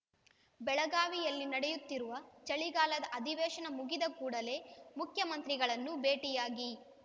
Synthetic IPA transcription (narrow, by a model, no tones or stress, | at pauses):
bɛɭɐɡaːʋijɐlːinɐɽɛjut̪ːiɾuʋɐt͡ʃɐɭiɡaːlɐd̪ɐʔɐd̪ʱiʋɛːʃɐnɐmuɡid̪ɐkuːɽɐle̞ːmukʰjɐmɐnt̪ɾiɡɐɭɐnːube̞ːʈijaːɡi